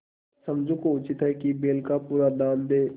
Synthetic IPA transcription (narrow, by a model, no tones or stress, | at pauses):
səmd͡ʒʱukoʊt͡ʃɪt̪ɦɛkibeːlkapuːɾad̪aːnd̪eː